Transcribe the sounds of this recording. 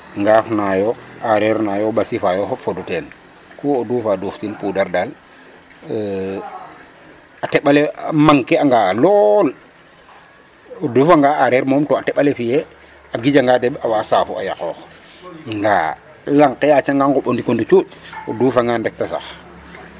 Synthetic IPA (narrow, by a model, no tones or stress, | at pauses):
ŋɡaːfnajɔaɾɛɾnajɔbasifajɔɦɔpfodutɛːn | kuoduːfaːduːftinpudaɾdal | atɛɓalɛmaŋkɛaŋɡalɔl | odufaŋɡaʔaɾɛɾmɔmtɔatɛɓalɛfijɛ | aɡid͡ʒaŋɡadɛɓawasafua̰ja̰kɔːx | ŋɡa | laŋkːɛjat͡ʃaŋɡaŋɡɔɓondikondit͡ʃuːcoduːfaŋɡandɛk̚tasa̰x